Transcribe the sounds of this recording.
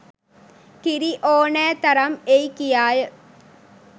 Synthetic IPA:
k̪ɪɾiʔoːnɛːt̪ɐɾɐmejkɪjaːj

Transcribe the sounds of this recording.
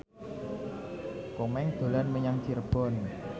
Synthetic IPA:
komɛŋd̪̥o̤lanməɲaŋt͡ʃirb̥ɔn

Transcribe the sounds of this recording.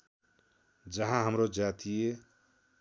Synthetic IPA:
d͡ʒəɦãɦəmɾod͡ʒat̪ije

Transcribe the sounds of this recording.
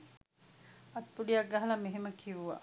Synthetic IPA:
ɐt̪̚puɖijak̚ɡaɦɐlɐmeɦeməkʰiʋuʋa̰

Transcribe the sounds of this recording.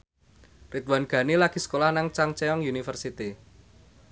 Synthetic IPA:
rit̪wanɡ̥ä̤nilaɡ̥i̤sə̥kolahnaŋt͡ʃaŋt͡ʃeɔŋjunifərsit̪i

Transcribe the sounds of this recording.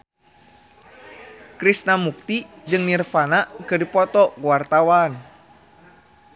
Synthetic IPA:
kɾisnamuk̚t̪i | d͡ʒɨŋnirfanaʔkɨdipɔt̪ɔkuwart̪awan

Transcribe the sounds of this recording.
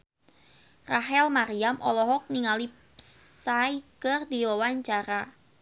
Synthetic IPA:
raɦɛlmaɾiamʔɔ̰lɔɦɔk̚niŋalip | saikərdiwɔwaɲt͡ʃaɾa

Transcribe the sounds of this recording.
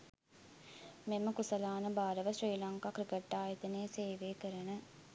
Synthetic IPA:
meməkusəlaːnəbaːɾəʋəsriːlaŋkakɾikeʈːaːjet̪əneːseːʋeːkəɾənə

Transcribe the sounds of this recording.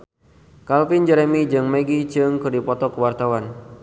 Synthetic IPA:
kalfind͡ʒɛɾemid͡ʒɨŋmeɡit͡ʃɨŋkɨrdipɔt̪ɔkəwart̪awan

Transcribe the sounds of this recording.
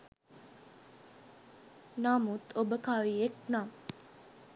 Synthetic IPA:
naːmut̪ʰobəkaːʋiek̚naː

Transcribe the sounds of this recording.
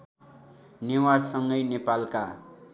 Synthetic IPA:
newaɽsʌŋɡʌjnepalka

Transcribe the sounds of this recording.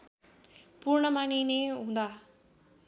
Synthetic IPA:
puːɾɳəmaːnineɦũnd̪aː

